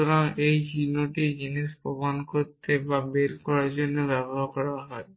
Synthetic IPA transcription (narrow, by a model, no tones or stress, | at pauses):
oɾaŋejɦinoʈid͡ʑiniʃpomankoɾt̪ebabeɾkɔɾaɾd͡ʑonːobɛboɦaɾkɔɾaɦɔe